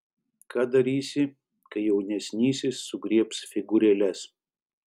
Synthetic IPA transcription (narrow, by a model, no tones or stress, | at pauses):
kʰɑːd̪ɐɾʲiːsʲɪ | kɐɪjɛʊnʲɛsʲnʲiːsʲɪsːʊɡɾʲiɛpsfʲɪɡʊɾʲɛlʲɛs